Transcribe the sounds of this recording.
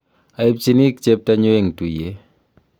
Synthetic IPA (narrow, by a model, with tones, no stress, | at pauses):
a˨ip̚t͡ʃi˦ni˦k̚t͡ʃep̚taɲo˦eŋtu˨je˦